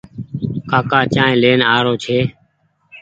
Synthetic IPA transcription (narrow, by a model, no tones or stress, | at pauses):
kaːkaːt͡ʃãːẽːleːnaːɾoːt͡ʃʰeː